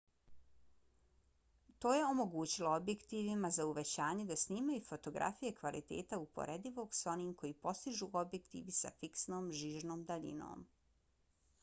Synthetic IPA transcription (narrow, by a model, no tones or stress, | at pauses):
t̪o̞ːje̞o̞mo̞ɡuːt͡ɕilo̞obje̞kt̪iːʋimazauʋe̞t͡ɕaːɲe̞d̪asniːmajufo̞t̪o̞ɡɾʔa̰fije̞kʋalḭt̪e̞̰ːt̪aupo̞̰ɾed̪iʋo̞ɡso̞niːmko̞jiːpo̞st̪iʒuːʔo̞bje̞kt̪ḭːʋisa̰fiksnoːmʒiːʒno̞ːmd̪aʎḭno̰ːm